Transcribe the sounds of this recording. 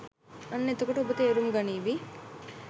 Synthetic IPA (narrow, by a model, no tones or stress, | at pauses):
ɐnːet̪ukuʈubut̪eːɾumɡɐniːʋi